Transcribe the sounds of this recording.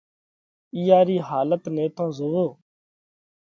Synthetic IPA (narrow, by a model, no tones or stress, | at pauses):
ɪjaːɾiːɦaːlət̪nẽːt̪ãːzoːʋoː